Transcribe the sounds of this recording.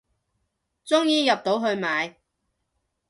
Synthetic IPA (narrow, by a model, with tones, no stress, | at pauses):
t͡sʊ˥ŋjiː˨˧jɐ˨p̚t̪o˨˥wɦɵ˧ɥmaː˨˧j